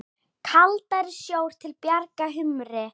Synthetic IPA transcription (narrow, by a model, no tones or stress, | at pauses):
kʰalt̪aɾɪsjoːwɾ̥t̪ʰɪlpjaɾkaɦʏmɾɪ